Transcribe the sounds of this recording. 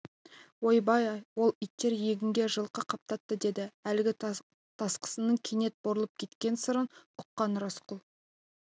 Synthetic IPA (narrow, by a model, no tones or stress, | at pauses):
wojbɑjɑjwo̞lˠijt̪ːe̞ɾje̞ɡʲɪŋɡʲe̞ʒəlˠqəqʰɑp̚t̪ɑt̪ːəd̪e̞d̪ɪælɪɡʲɪ | t̪ʰɑsqə̥sənəɴkʲʰene̞t̪̚boɾəlˠəp̚kʲʰe̞t̪kʲe̞nsəɾənʊqːɑnɾɑsqʊlˠ